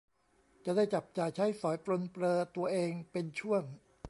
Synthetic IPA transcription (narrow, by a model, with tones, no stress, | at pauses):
t͡ɕa˨˩da˥˩jt͡ɕa˨˩p̚t͡ɕaː˨˩jt͡ɕʰa˦˥jsɔː˩˦jpɾo˧npɾɤː˧t̪u˧ɐʔeː˧ŋpe˧nt͡ɕʰu˥˩əŋ